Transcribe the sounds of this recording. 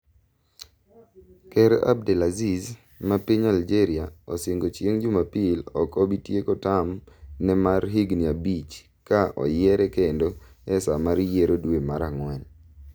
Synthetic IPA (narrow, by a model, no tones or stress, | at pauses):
kɛɾa̰b̚dɛlaziz | mapiɲald͡ʒeɾiaɔseŋɡot͡ʃjeŋd͡ʒʊmapɪlɔkɔbitjekɔtamnɛmarɦiɡniabit͡ʃ | kaɔ̰jɛɾɛkendoɛsamaɾjeɾodwemaɾaŋwɛn